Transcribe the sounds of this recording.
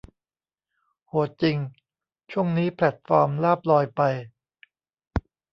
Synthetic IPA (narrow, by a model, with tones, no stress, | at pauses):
hu˨˩˦t̪̚t͡ɕi˧ŋ | t͡ɕʰu˥˩əŋniː˦˥pʰlɛ˨˩t̪̚fɔː˧mlaː˥˩p̚lɔː˧jpa˧j